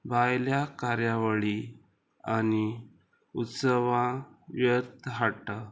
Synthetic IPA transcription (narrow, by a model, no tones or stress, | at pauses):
bʱajljakaɾjaʋəɭi | ani | ut̪səʋãʋjət̪ɦaʈa